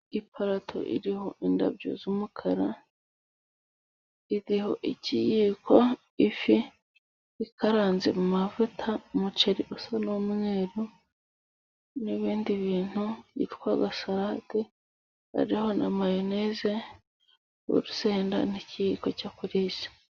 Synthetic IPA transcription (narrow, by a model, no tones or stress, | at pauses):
ipʰaɾatʰo̰ʔḭɾiho̞ʔinda̰bjo̰zumukʰaɾa | iɾiho̞ʔicijiko̞ | ifi | ikaɾaːnzemumavutʰamut͡ʃeɾiʔusanomŋeːɾo | niβiːndiβiːn̥huɟḭtkwaɡasaɾahati | a̰ɾiho̞nʔa̰majoneːze̞ | o̰ɾuseːnda̰nicijiko̞cakuɾiːʃḁ